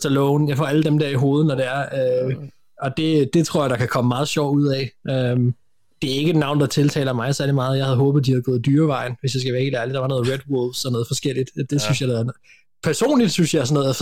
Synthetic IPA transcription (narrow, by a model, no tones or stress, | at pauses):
sɒlɔʊnjɑ̈fɒ̰æləd̥emd̥eɐ̰iɦo̝ːð̞̩ˠnɒɾeæɐø | ɒ̽d̥e̝d̥e̝t͡sʰʁo̝ɐ̰jɑ̈ɾ̥ɑ̈kʰækʰɒ̽məmɑ̈ːðˠɕɒʊ̰duð̰ˠɛɪʔøm | d̥e̝æɐe̝ɡəd̥nɑ̈ʊnd̥ɑ̈t͡sʰe̝lt͡sʰɛ̰ːlɐmɑ̈ɪsæɐlimɑ̈ːð̞̩ˠjɑhæð̞̩ˠɦɔ̽ːb̥ð̩ˠd̥ihæðˠɡ̥ɔ̽ːð̞̩ˠd̥yːɐʋɑ̈ɪ̰nʋe̝sjɑ̈ɪsɡ̥æʋæːɐeɡəlæɐlid̥ɑɑ̈nɔ̽ːð̞̩ˠʁed̥wolfsɒ̽nɔ̽ːð̞̩ˠfɒ̽sɡ̥el̰id̥d̥e̝synsjɑɪd | pʰæɐso̝̰ːnlid̥synsjɑɪsɒnːɔð̩ˠæ